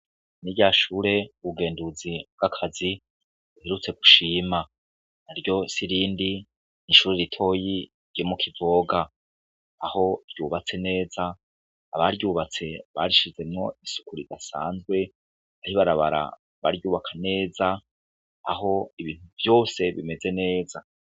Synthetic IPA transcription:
niɟaʃuːɾe̞uβuɡe̞ːnduzib̚ɡ̥akʰazi | uheɾut͡se̞ɡuʃiːma | aɾɟo̞siɾiːndi | niʃuːɾeɾitʰo̞ji | ɾɟomukʰivoːɡaː | ho̞ɾjuːβat͡se̞ne̞ːzaː | βaɾjuːβat͡se̞βa̰ɾiʃize̞mŋo̞isu̥kuɾidasa̰ːnzɡwe̞ | aɾiβaɾaβa̰ɾa̰ | βa̰ɾjuːβakʰane̞ːzaː | ho̞iβiːn̥huvjo̞ːse̞βḭme̞ze̞ne̞ːza

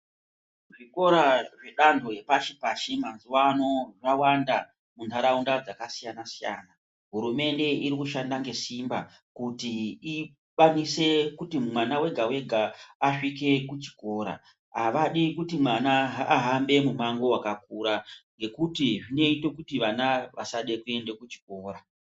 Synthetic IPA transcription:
ʐiko̞ɾaʐe̞ɗandʱo̞je̞paʃipaʃemanzuwano̞ʐawanda | muntʰaɾaundad͡zakasijanasija̰ːna | ɦuɾume̞nde̞iɾikuʃandaŋɡe̞simba | kutii | ɓanise̞kutimumwanawe̞ɡʱawe̞ɡʱaaʂike̞kut͡ʃi̥ko̞ːɾa̰ | ɦaʋaɗikutimanaɦaːɦambe̞mumaŋɡo̞wakakuɾaŋɡe̞kutiʐine̞ito̞kutiʋanaʋa̰saɗe̞kue̞nde̞kut͡ʃi̥ko̞ːɾa

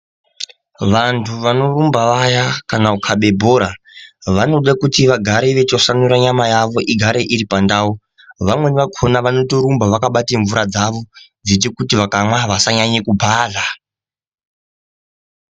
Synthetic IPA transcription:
ʋantʰuʋano̞rumbaʋajakanaukʰaɓe̞bʱoːɾa | ʋano̞ɗakutiʋaɡʱaɾeʋet͡ʃosanuɾaɲamajaʋo̞ʔiɡʱaɾeʔiɾipandau | ʋamwe̞niʋakʰo̞naʋano̞toɾumbaʋakaɓateɱvuɾad͡zaʋo̞ | d͡zit̬ekutiʋakamwaʋasaɲaɲekubʱaːɮa

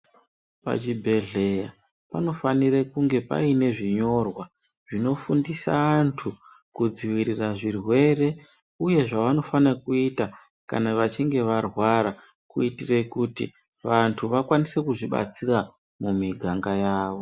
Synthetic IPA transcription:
pa̰t͡ʃibʱe̞ɮe̞ja | pano̞fanirekuŋɡe̞pa̰ine̞ʐiɲo̞rwa | ʐ̥ino̞fundisa̰antʰu | kud͡ziwiɾiraʐirwe̞re̞ | uje̞ʐaʋano̞fanakuita | ka̰naʋat͡ʃiŋɡe̞ʋarwaɾa | kuitire̞kutḭ | ʋantʰuʋakwanise̞kuʐiɓa̰t͡sira | mumiɡʱaŋɡajaːʋo̞

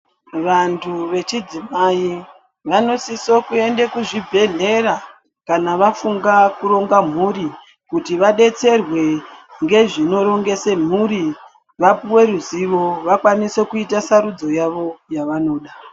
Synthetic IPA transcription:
ʋantʰuʋe̞t͡ʃid͡zimai | ʋano̞siso̞kue̞ndekuʐibʱe̞ɮe̞ɾa | kanaʋafuŋɡakuɾo̞ŋɡam̤uri | kutiʋaɗe̞t͡se̞rwe̞ŋɡe̞ʐino̞ɾo̞ŋɡe̞se̞m̤uɾi | ʋapuwe̞ɾuziʋo̞ʋakwanise̞kuitasaɾud͡zo̞jaʋo̞jaʋano̞ːɗa

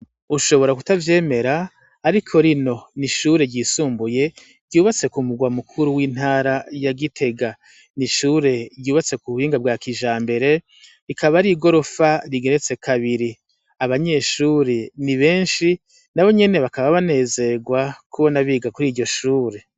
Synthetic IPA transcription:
uʃoβo̞ɾakutavje̞ːme̞ɾaː | ɾikʰo̞ɾino̞niʃuɾe̞ɟiːsuːmbuje̞ | ɾɟuːβat͡se̞kumuɡwamukʰuɾuwiːn̥aːɾajaɡitʰe̞ɡa | niʃuːɾe̞ɾɟuːβat͡se̞kuhiːŋɡabɡwaːkiʒaːmbe̞ɾe̞ | ikʰaβaɾiɡo̞ɾo̞faɾiɡe̞ɾet͡se̞kʰaβiɾi | aβaɲe̞ʃuːɾe̞niβe̞ːnʃi | naβo̞ɲe̞ne̞βakaβaβane̞ːze̞ɡwakʰuβonaβiːɡakuɾiːɟɟo̞ʃuːɾe̞

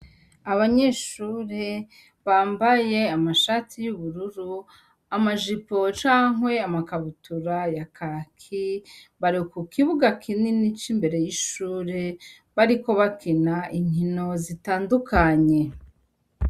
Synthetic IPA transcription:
aβaɲeʃuːɾe | βaːmbaje̞amaʃaːtʰijuβuɾuɾu | amaʒipo̞t͡ʃaːŋwe̞amakaβutuɾajakakʰiβaɾikukiβuɡakʰininit͡ʃimbe̞ɾe̞jiʃuːɾe | βaɾiko̞βakinaʔiɲ̥hino̞zitaːndukʰaɲe̞

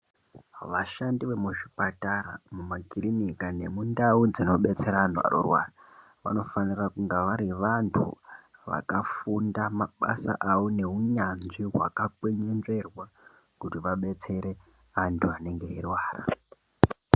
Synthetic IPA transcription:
ʋaʃandiʋe̞muʐipataɾa̰mumaɡʱirinikane̞mundaud͡zino̞ɓe̞t͡se̞ɾanwa̰rṵrwa̰ːra | ʋa̰no̞fanirakuŋɡaʋaɾiʋantʰṵʋa̰kafundamaɓa̰sa̰ʔao̞ne̞ɦuɲanʐiɦwa̰kakweɲenʐe̞rwa | kutiʋaɓe̞t͡se̞ɾe̞ | antʰuane̞ŋɡe̞irwaːra̰

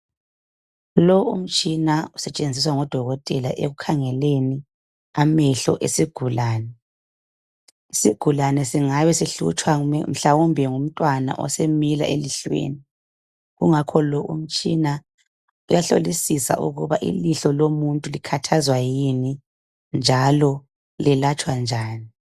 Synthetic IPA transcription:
lɔṵm̩t͡ʃʼinausɛt͡ʃʼend͡zʱis̬waŋɔd̥ʱɔɣɔtʼɛlaʔḛɣukʰaŋɛleni | amɛɬɔ̰ʔesiɡ̥ʱulaːnɛ | isiɡ̥ʱulanɛsiŋajɛsiɬṵt͡ʃʰʼwam̩ɬawumbʱɛŋum̩tʼwana̰ʔɔ̰semila̰ʔeliɬwḛːni | ɣuŋakʰɔlɔʔṵm̩t͡ʃʼina | ujaɬo̰lisisa̰ʔṵɣuβaʔḭliɬɔlomuntʼulikʰatʰazwajini | nd͡ʒʱalɔ | lɛlat͡ʃʼwand͡ʒʱaːni

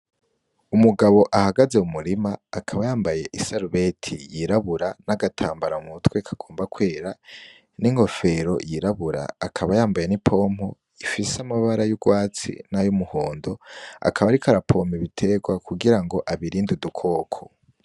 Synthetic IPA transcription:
umuɡaβo̞ʔahaɡaze̞umuɾimaːkʰaβajaːmbaje̞ʔisaɾuβe̞tʰijiɾaβuɾanaɡatʰaːmbaɾamutwe̞kʰḁɡ̥o̞ːmbakwe̞ːɾa | niŋho̞fe̞ɾo̞jiɾaβuɾa̰ːkʰaβajaːmbaje̞nipʰo̞mho̞ | ifiseamaβaɾajuɡwaːt͡sḭnajumuhoːndo̞a̰kʰaβaɾikʰaɾapʰo̞miβitʰe̞ɡwakʰuɡiɾaŋɡo̞ʔaβiɾiːndudukʰo̞ːkʰo

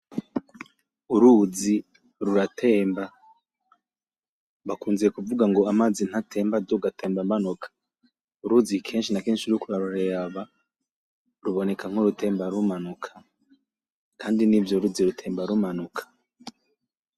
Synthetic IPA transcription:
uɾuzi | ɾuɾatʰe̞ːmba | βakuːnzijekuvuɡaŋɡo̞amaːd͡zin̥hatʰe̞ːmbadoɡatʰe̞ːmbamanukʰḁ | uɾuzikʰe̞ːnʃinakeːnʃiɾukuɾaɾuɾeaβa | ɾuβo̞ne̞kaŋ̥hoɾutʰe̞ːmbaɾumanukʰḁ | kʰaːndinivjoɾuziɾutʰe̞ːmbaɾumanukʰḁ

